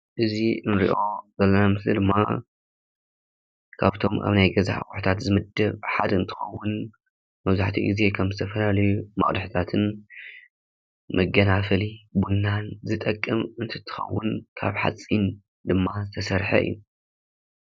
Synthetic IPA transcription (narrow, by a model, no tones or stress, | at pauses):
ʔɨziɨnɾḭʔo̞zɐlːɐnamɨslid̪ɨmːa̰ | kʰaβt̪ʰo̞ma̰βnajɡɐza̰ʔxʼʊħt̪ʰat̪zɨmɨd̪ːɐβħad̪ɐɨnt̪ʰɨ̥xɐ̰wːʊn | mɐβzaħt̪ʰḭɡize̞kʰɐmzɨt̪ʰɐfɐlalɐjumɐ̰χʼd̪ħɨt̪ʰat̪ʰɨn | mɐɡɐnafɐlibunːanzɨt̪ʼɐkʼːɨmɨnt̪ʰɨ̥t̪ʰːɨ̥xɐ̰wːʊnkʰa̰βħa̰t͡sʼːin | d̪ɨmːazɨt̪ʰɐsɐɾħɐ̰ʔɨ̰jːuu